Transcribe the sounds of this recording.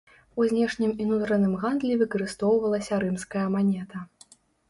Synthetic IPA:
uzʲnʲɛʂnʲiminut̪ɾɐnɨmɣand̪lʲivɨkɐɾɨst̪ɔwvɐlˠɐsʲɐɾɨmskɐjɐmanʲɛt̪ɐ

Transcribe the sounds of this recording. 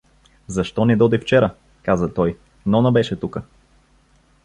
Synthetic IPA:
zɐʃt̪ɔnid̪ɔd̪ift͡ʃɛɾə | kazət̪ɔj | nɔnɐbɛʃɛt̪ukə

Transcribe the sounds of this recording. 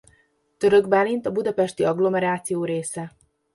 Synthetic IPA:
t̪ø̞ɾø̞ɡbaːlint̪ɒbud̪ɒpɛʃt̪iɒɡlo̞mɛɾaːt̪sijoːɾeːsɛ

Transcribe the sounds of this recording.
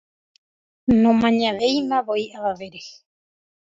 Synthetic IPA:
nõmãɲãʋejmãβoiʔaβaʋeɾe

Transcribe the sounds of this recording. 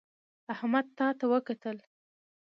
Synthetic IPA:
ahmad̪̚t̪ɑt̪awəkat̪əl

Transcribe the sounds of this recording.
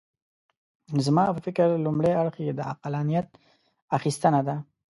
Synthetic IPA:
zmɑpəfɪkɪɾlumɽajaɽxjed̪əa̰qalanijat̪̚ | axist̪ənad̪a

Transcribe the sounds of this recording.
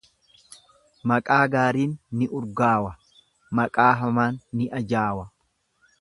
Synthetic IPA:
mɐkʼaːɡaːɾiːnːɪʔʊɾɡaːwɐ | mɐkʼaːɦɐmaːnːɪʔɐd͡ʒaːwɐ

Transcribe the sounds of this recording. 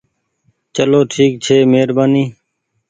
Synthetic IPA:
t͡ʃəloːʈʰiːk̚t͡ʃʰeːmeːɾbaːniː

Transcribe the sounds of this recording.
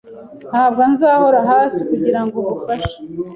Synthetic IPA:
n̥haːvanzaːho̞ɾaɦaːsikuɟiɾaŋɡoβufaʃe̥

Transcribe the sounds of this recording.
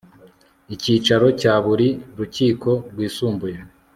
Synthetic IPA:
iciːt͡ʃaɾo̞caːβuɾiɾuciːkʰo̞ɾɡwiːsuːmbuja

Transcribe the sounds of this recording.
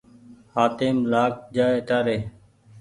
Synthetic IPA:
haːt̪eːmlaːk̚d͡ʒaːeəʈaːɾeː

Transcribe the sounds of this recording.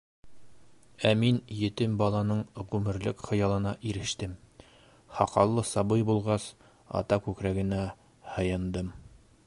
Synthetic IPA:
æminjɘ̆t̪ɘmbɒlˠɑnɤɴʁʉmɘ̆ɾlɘkχɤ̆jɑlˠɤ̆nɑʔiɾɘ̆ʃt̪ɘm | hɑqɑlˠːɤsɑbɤjbulˠʁɑs | ɒ̰t̪ɑkʉkɾæɡɘ̆næ | hɤ̆jɤ̆nd̪ɤm

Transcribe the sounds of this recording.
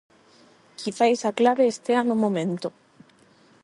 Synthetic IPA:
kʰiθajsaklaβeːst̪eanomõmẽnt̪o

